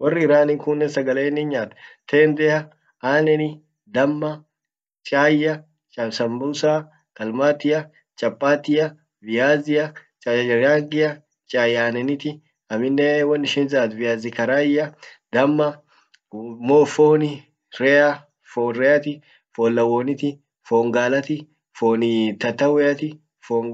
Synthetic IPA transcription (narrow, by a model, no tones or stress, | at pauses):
wɐrːɪɪɾaːnɪŋkʊnːɛsɐɡɐleːnːɪnɲaːt̪t̪ʰeːnd̪ɛjɐ | aːnɛnɪ | d̪ɐmːɐ | t͡ʃʼaːjːɐ | t͡ʃʼɐsɐmbuːsaː | kɐlmaːt̪ɪjɐ | t͡ʃʼɐpʼːaːt̪ɪjɐ | vɪjaːzɪɐt͡ʃʼaːjɐd͡ʒɐɾaːŋɡɪjɐ | t͡ʃʼaːjaːnɛnɪt̪ɪ | ɐmɪnːɛwɐnːɪʃɪnzaːt̪vɪjaːzɪkɐɾaːjɐd̪ɐmːɐ | mofoːnɪ | ɾɛjɐ | foːnɾɛjɐt̪ɪ | foːlːɐwoːnɪt̪ɪ | foːŋɡaːlɐt̪ɪ | foːnɪt̪ɐt̪ːɐwɛjɐt̪ɪ | foŋ